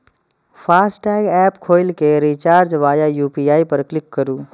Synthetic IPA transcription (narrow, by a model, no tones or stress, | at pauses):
pʰaːsʈɛːɡɛːpkʰoːɪlkeɾit͡ʃaːɾd͡ʒʋaːjajuːpiaːipəɾklɪkːəɾuː